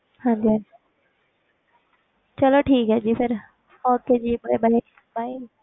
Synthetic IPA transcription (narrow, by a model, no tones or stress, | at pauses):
hãːɲd͡ʒi | t͡ʃɐloʈʰiːkɦɛːd͡ʒiːpʰɪɾ | hɔːɾ̚ked͡ʒiːbɽebəɦe | baːi